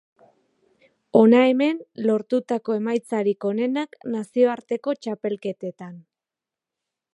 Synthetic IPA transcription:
o̞nae̞me̞nlo̞ɾt̪ut̪ako̞e̞majt͡saɾiko̞ne̞naknasio̞aɾt̪e̞ko̞t͡ʃape̞lke̞t̪e̞t̪an

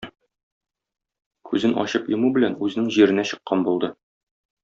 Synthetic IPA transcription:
kʉzɘnʔɒ̰ɕɤpjŏmubɘ̆lænʉzɘ̆nɘŋʑiɾɘ̆næɕɤ̆qːɑnbulˠd̪ɤ

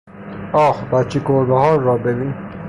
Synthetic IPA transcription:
ɒːxbæt̪̚t͡ʃʰːikoɾbehɒːɾːɒːbebiːn

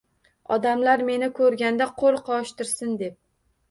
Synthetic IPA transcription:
ɒ̰d̪amlaɾme̞nɪkʰɵɾɡʲand̪aqʰolˠqʰɒʃt̪ɪɾsɪnd̪ep̚

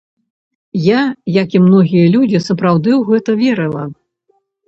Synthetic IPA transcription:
jajakimnɔɣʲijɐlʲud͡zʲisɐpɾawd̪ɨwɣɛt̪ɐvʲɛɾɨlˠɐ

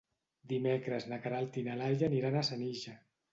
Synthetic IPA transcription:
d̪imekɾəznakaɾalt̪inalaʎaniɾanasaniʒa

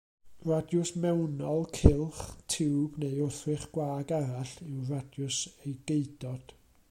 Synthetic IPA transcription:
radjʊsmɛwnɔlˠkʰɪlˠχtʰɪwb̥nejʊθrɪχɡ̥waːɡaɾaɬɪwradjʊsejɡeɨd̥ɔd̥

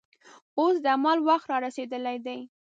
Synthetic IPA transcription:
osd̪əamalwaxt̪ɾɑɾased̪əlajd̪aj

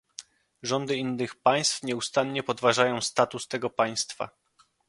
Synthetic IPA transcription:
ʐɔnd̪ɘinːɘxpaj̃st̪fɲɛust̪anɲɛpɔd̪vaʐajɔ̃w̃st̪at̪ust̪ɛɡɔpaj̃st̪fa̰

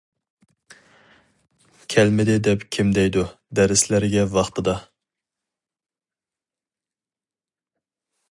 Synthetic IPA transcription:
kʲʰɛlmɪd̪ɪd̪ɛpkʲʰimd̪ɛjd̪u | d̪ɛɾɪslæɾɪɡʲɛvɑχt̪ɨd̪ɑ

